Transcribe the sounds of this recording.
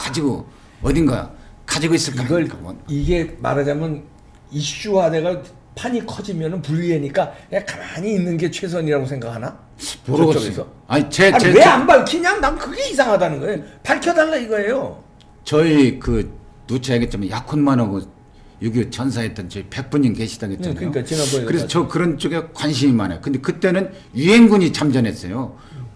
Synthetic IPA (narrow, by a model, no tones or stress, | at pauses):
kad͡ʑiɡo | ʌdinɡa̰kad͡ʑiɡois͈ɯɭk͈aɡʌɭiɡe̞ma̰ɾad͡ʑamjʌn | iɕ͈uɦadeɡa | pʰaɲikʰʌd͡ʑimjʌnɯnpuʎːiɦeɲik͈anekamaɲiːnːɯnɡe̞t͡ɕʰwe̞s̬ʰʌɲiɾaɡosʰe̞ŋɡakʰana | moɾʌʌɡisʰʌ | aɲit͡ɕeaweanbaɭkʰiɲaŋnamkɯɡe̞is̬ʰaŋɦadanɯnɡʌeopaɭkʰjʌdaɭːaiɡʌɦe̞jo | t͡ɕʌikɯnut͡ɕʰaeɡett͡ɕ͈amanjakʰonmanaɡo | joɡiot͡ɕʌnsʰaɦet͈ʌnt͡ɕʌipe̞k̚p͈uɲinke̞ɕʰidaɡett͡ɕ͈imkakɯɾesʰt͡ɕʌkɯɾʌnt͡ɕ͈oɡekwanɕʰimimana̰jokɯnde̞kɯt͈e̞nɯn | jiɦe̞nɡuɲit͡ɕamd͡ʑʌnɦe̞s͈ʌjo